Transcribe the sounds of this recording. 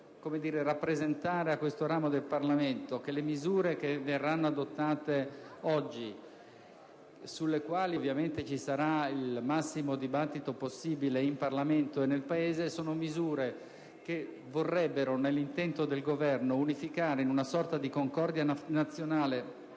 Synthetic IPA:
komed̪iːɾerapːɾezent̪aːɾeakːwest̪oɾaːmod̪elparlament̪ok̟elemizuːɾek̟everːanːoad̪ot̪ːaːt̪eɔd͡ʒːi | sulːekwaːlivːjament̪et͡ʃisaɾailmasːimod̪ibat̪ːit̪oposːiːbileimparlament̪oenːelpaeːzesoːnomizuːɾe | ke | vorːɛbːeɾonelːint̪ɛnt̪od̪elɡovɛrnounifikaːɾeinunasɔrt̪ad̪ikoŋkɔrd̪janat̪sːjonaːle

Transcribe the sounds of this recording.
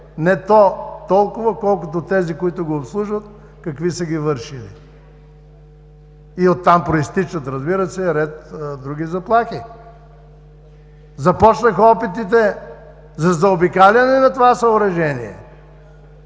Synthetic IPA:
nɛt̪ɔt̪ɔlˠkʊvɐkɔlˠkʊt̪ot̪ɛzikoit̪ʊɡoːpslˠuʒvət̪ | kɐkvisəɡʲivəɾʃilḭ | iot̪ːampɾoist̪it͡ʃət̪ɾɐzbiɾɐsɛɾɛt̪d̪ɾuɡ̟izɐplˠaxi | zɐpɔt͡ʃnɐxɐɔpit̪it̪ɛ | zɐzɐobikalʲɐnɛnɐt̪ovasɐʊɾɐʒɛniɛ̰

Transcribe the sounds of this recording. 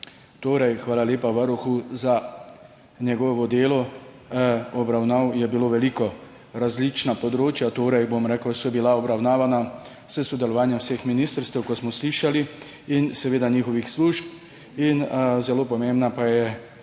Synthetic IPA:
t̪oːɾɛjxʋaːlaleːpaʋaɾuxuza | njɛɡɔːʋɔd̪eːlɔ | ɔbɾawnawjɛbiloːʋɛlikɔ | ɾazlit͡ʃnapɔd̪ɾoːt͡ʃjat̪oːɾɛjbomɾɛːkəwsɔjbilaɔbɾawnaːʋana | səsɔd̪ɛlɔʋaːnjɛmwsexminiːst̪əɾst̪ɛwkɔt̪smɔsliʃali | insɛʋeːd̪aɲiːxɔʋixsluːʃp | inzɛloːpɔmembnapajɛ

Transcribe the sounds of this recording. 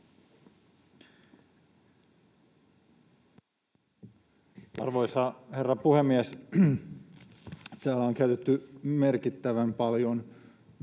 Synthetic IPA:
ɑ̰rʋojsɑherːɑpuhemːies | t̪æːlːæoŋkæyt̪et̪ːymerkit̪ːæʋæmpɑljon

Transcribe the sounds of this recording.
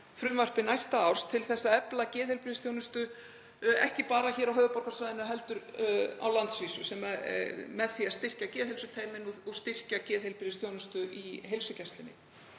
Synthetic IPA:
fɾʏmvar̥pɪnajst̪aawr̥st̪ʰɪlθɛsːaɛplacɛːðhelpɾɪɾðɪst̪ʰjownʏst̪ʏ | ɛ̰hcɪpaːɾaçɛːɾawɦœːðʏpɔrkasvajðɪnːʏɦɛlt̪ʏɾa̰wlant̪sviːsʏsɛmamɛðθiaðst̪ɪr̥cacɛːðhejlsʏt̪ʰeːjmɪnɔɔɣst̪ɪr̥cacɛːðhejlpɪɾðɪst̪jownʏst̪ʏʔiɦelsʏcɛst̪lɪnːɪ̰

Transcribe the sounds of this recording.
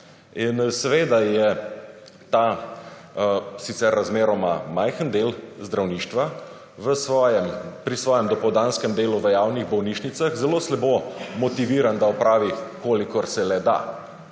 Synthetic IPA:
insɛʋeːd̪ajɛ | t̪a | sit̪sɛɾːazmeːɾɔmamajxənd̪eːlzd̪ɾawniːʃt̪ʋa | ʋəsʋɔjɛmpɾisʋɔːjɛmd̪ɔpɔwd̪aːnskɛmd̪eːluʋəjaːwniɣbɔwniːʃnit̪saxzɛloslɛboːmɔt̪iʋiːɾand̪aɔpɾaːʋikolikɔɾsɛlɛd̪a̰

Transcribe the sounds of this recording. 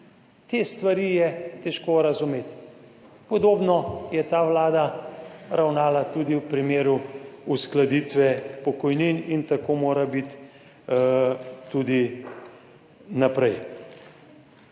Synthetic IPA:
t̪est̪ʋaɾiːjɛt̪ɛʃkoɾɐzumeːt̪ | pɔd̪oːbnɔjɛt̪aːʋlaːd̪aɾawnaːlat̪ud̪iwpɾimeːɾuusklad̪it̪ʋɛpɔkɔjninint̪akomoːɾabit̪ | ud̪i | napɾɛj

